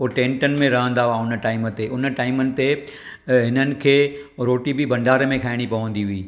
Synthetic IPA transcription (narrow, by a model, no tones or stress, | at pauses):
oʈẽːɳʈənɪ̆mẽɾɐɦə̃nd̪aaʊnʈaːɪmə̆t̪eʔʊnʈaːɪmənɪ̆t̪e | ɦɪnənɪ̆kʰeːɾoːʈibɪbɐ̃ɳɖaːɾəmẽkʰaːɪɽ̃ipɐʋə̃nd̪iɦuiː